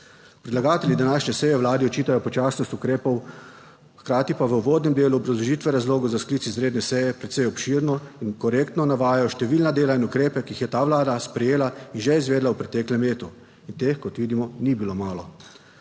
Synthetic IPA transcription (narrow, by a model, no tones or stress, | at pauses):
pɾɛd̪laɡaːt̪ɛlʲjid̪anaːʃɲɛsɛjɛʋlaːd̪iɔt͡ʃiːt̪ajɔpɔt͡ʃaːsnɔst̪ukɾeːpɔw | xkɾaːt̪ipaʋəuʋoːd̪nɛmd̪eːluɔbɾazlɔʒiːt̪ʋɛɾazloːɡɔzaskliːt̪izɾeːd̪nɛsɛjɛpɾɛt̪sɛjɔpʃiɾnɔinkɔɾeːkt̪nɔnaʋaːjajɔʃt̪ɛʋiːlnad̪eːlainukɾeːpɛkiixjɛt̪aːʋlaːd̪aspɾɛjeːlainʒɛizʋeːd̪lawpɾɛt̪ɛːklɛmleːt̪u | int̪eːxkɔt̪ʋiːd̪imɔnibiloːmaːlɔ